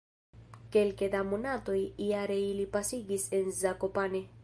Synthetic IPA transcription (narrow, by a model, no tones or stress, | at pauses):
ke̞lkedamonato̞jiaɾe̞ilipasiɡise̞nzakopane